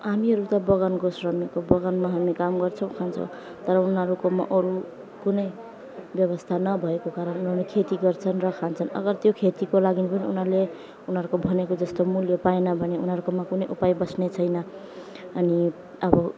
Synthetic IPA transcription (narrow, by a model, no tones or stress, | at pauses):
ɦamiɦʌɾut̪ʌbʌɣʌnkosrʌmikobʌɡʌnmaɦamikamɡʌrt͡sʰʌw̃kʰant͡sʰʌ̰w̃ | t̪ʌɾʌunʌɾukoma̰ʔʌɾu | kunʌj | bjʌβʌst̪ʰanʌbʱʌekokaɾʌnunɦʌɾulekʰet̪iɡʌrt͡sʰʌnrʌkʰant͡sʰʌnʌ̰ɡʌrt̪jokʰet̪ikolaɡinipʌniṵnɦʌle | unɦʌɾukobʱʌnekod͡zʌst̪omuljʌpaenʌbʱʌneunɦʌɾukomakunʌjʔupajbʌsnet͡sʰʌjnʌ | ʌni | ʌbʌ